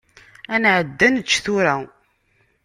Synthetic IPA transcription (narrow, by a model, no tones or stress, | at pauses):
ænʕəd̪ːænt͡ʃːθuɾæ